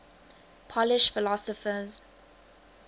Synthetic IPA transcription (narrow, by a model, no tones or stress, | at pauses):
pʰɔlɪʃfɪlɔsɔfəz